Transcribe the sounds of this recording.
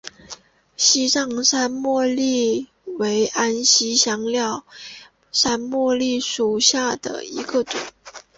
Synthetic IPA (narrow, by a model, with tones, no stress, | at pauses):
ɕi˥ʂɑ˥˧ŋʂa˥nmwɔ˥˧li˥˩ | we˧˥ɪʔa˥nɕi˥ɕjɑ˥ŋljɑ˥˩ʊ | ʂa˥nmwɔ˥˧li˥˩ʂu˨˩ɕja˥˩d̪ə̰˩ḭ˧˥ɡə˧ʈ͡ʂʊ̰˨˩˦ŋ